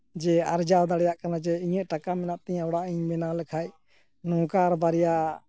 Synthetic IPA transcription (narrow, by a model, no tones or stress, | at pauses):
d͡ʒɛaɾd͡ʒawd̪aɽjaʔkanad͡ʒɛiɲəʔʈakamɛnaʔt̪ɛɲawɽaʔiɲmɛnaləkʰaj | nɔ̃kaɾbaɾɛja